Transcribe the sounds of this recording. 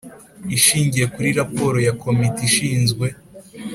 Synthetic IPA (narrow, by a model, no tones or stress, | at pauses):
iʃiːɲɟije̞kuɾiɾapo̞ːɾo̞jakʰo̞mitiʃiːnzɡwe̞